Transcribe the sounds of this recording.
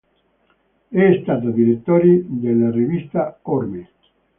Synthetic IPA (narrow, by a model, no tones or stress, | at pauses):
ɛst̪aːt̪ad̪iɾet̪ːoːɾid̪elːarivist̪aorme